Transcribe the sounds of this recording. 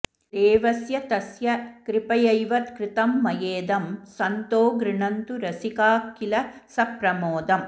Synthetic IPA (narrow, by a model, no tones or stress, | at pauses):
d̪eːʋɐsjɐt̪ɐsjɐkɾɪpɐjɐjʋɐt̪kɾɪt̪ɐmːɐjeːd̪ɐmsɐnt̪oːɡɾɪɳɐnt̪uɾɐsɪkaːkːɪlɐsɐpɾɐmoːd̪ɐm